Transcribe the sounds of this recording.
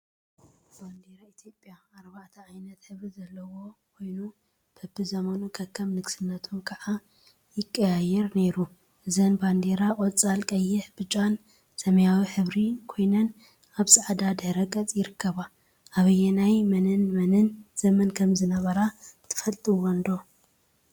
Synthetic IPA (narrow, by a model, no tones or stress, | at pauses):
b̥and̪eɾait̪ʰjo̞pʼjaːɾbaʕt̪ʰɐajnɐt̪ħɨβɾizɐlːɐwo̞kʰo̞jnu | b̥ɨbːɨzɐmɐnukʰɐkʰːɐmnɨɡsɨnːɐt̪ʰumkʰaʕa | jɪkʼːɐjajɛɾne̞ɾu | ʔɨzɐnband̪e̞ɾakʼot͡sʼːalkʼɐjːɪħbɨt͡ʃʼan | sɐmɐjawiħɨβɾikʰo̞jnɐn | aβsaʕd̪ad̪ɐhɾɐkʼɐt͡sʼjɪɾɨkʰːɐβa | ʔaβɨjɛnajmɐnɨnmɐnɨnz̥ɐmɐnkʰɐmzɨnɐβɐɾat̪ʰɨ̥fɐlt̪ʼiwɔnd̪o̞